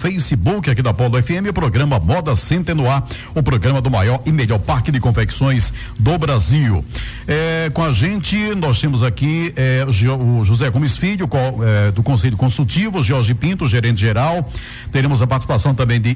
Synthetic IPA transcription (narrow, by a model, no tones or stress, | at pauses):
fejsɪbukɪakid̪ɐpɔld̪ʊɛfiẽmɪʊpɾoɡɾɐ̃mɐmɔd̪ɐsẽnt̪ẽnʊa | ʊpɾoɡɾɐ̃mɐd̪ʊmajɔɾɪmeʎɔɾpaɾkɪd̪ɪkõfeksõj̃s | d̪ʊbɾaziw | ɛkõaʒẽnt͡ʃɪnɔst̪ẽmʊzakiɛʒʊʒuzɛkõmisfiʎʊkoɛd̪ʊkõseʎʊkõsut͡ʃivʊʒɔɾʒɪpĩnt̪ʊʒeɾẽnt̪ɪʒeɾaw | t̪eɾẽmʊzɐpaɾt͡ʃisipasɐ̃w̃t̪ɐ̃mbẽj̃d̪ɪ